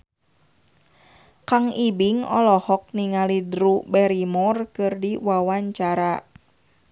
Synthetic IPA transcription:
kaŋibiŋɔ̰lɔhɔk̚niŋalidɾubɛɾimɔrkɨrdiwawaɲt͡ʃaɾa

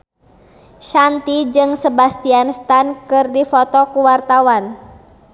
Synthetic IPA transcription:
ʃant̪id͡ʒɨŋsəbast̪ianst̪ankɨrdifɔt̪ɔkuwart̪awan

